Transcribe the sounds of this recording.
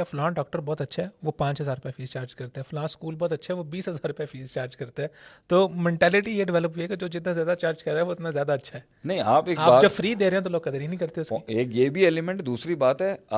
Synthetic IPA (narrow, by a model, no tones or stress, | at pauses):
flãːɖɔːk̚ʈəɾbɔːt̪ɐtːʃʰaɦɛːʋopãːt͡ʃɦɐzaːɾʊpjafiːzt͡ʃaːɾd͡ʒkɐɾt̪eɦɛ̃ːflãːskuːlbɔːt̪ɐtːʃʰaɦɛʋobiːsɦɐzaːɾʊpjafiːzt͡ʃaːɾd͡ʒkɐɾt̪eɦɛ̃ːt̪oːmɛ̃ːɳʈɛːlɪʈijeɖɪʋɛːləpɦuiɛked͡ʒoːd͡ʒɪt̪nazjaːd̪at͡ʃaːɾd͡ʒkɐɾeːɛʋoɪt̪nazjaːd̪aɐtːʃʰaɛːnɐɦĩaːpeːaːaːd͡ʒɐbfɾiːd̪eːɾeːɦɛ̃t̪oloːɡkɐd̪ɾinɐɦĩkɐɾt̪eɛʊskieːkjeːbʱieːlɪmɛ̃ɳʈd̪uːsɾibaːt̪ɦɛa